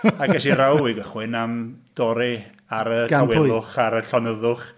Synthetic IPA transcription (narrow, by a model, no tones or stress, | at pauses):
aɡɛʃiɾawɪɡəχwɪnamd̥ɔɾɪ | aɾəɡawɛlˠʊχaɾəɬɔnəðʊχ